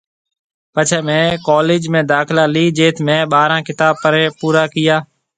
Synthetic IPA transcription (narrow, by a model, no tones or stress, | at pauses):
pət͡ʃʰeːmẽːkoːleːd͡ʒmẽːd̪aːkɪlaːliːd͡ʒeːt̪ʰmẽːɓaːɾãːkɪt̪aːb̚pəɾẽːpuːɾaːkɪjaː